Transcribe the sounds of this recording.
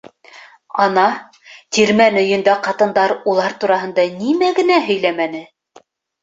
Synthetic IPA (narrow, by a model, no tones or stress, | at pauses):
ɑnɑ | t̪iɾmænɵ̆jɵ̆nd̪æqɑt̪ɤ̆nd̪ɑɾulˠɑɾt̪uɾɑɦɤ̆nd̪ɑnimæɡɘ̆næɦɵ̆jlæmænɘ